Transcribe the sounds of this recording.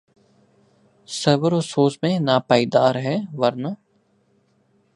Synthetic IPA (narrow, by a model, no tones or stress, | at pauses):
səɾʋəɾosoːsmẽːnaːpaːiːd̪aːɾɦɛːʋɐɾna